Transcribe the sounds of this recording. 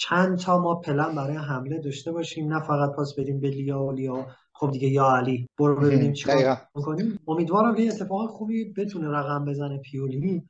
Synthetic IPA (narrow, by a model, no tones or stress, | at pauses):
t͡ʃʰænt̪ʰɒːmɒːpʰe̞læmbæɾɒːjeɦæmle̞d̪ɒːʃt̪e̞bɒːʃiːmnæfæɣæd̪̚pʰɒːsbe̞ɾiːmbelijɒolijɒ | χo̞b̚d̪iɟe̞jɒːæliːb̥oɾobe̞biːniːmt͡ʃʰi̥kːikʰoniːmo̞miːd̪vɒːɾæmkʰejeet̪ʰːe̞fɒːɣænxuːbibe̞t̪ʰuneɾæɣæmbe̞zænepʰijoli